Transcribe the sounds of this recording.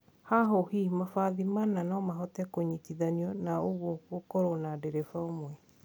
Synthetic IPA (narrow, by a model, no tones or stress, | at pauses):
haɦohimafaðimananɔmaɦɔtɛkoɲitiðaniɔnaoɣwɔkokoɾonadɛɾɛfaomwɛ